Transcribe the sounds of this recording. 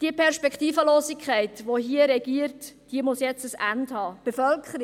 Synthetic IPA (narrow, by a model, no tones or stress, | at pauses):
d̥iəpʰɛɾʃpɛktiːfəloːsikʰχæɪtʋoɦiəɾɛɡiːəɾtːd̥iəmʊsjɛt͡səsænthɑːb̥efœlkʰəɾi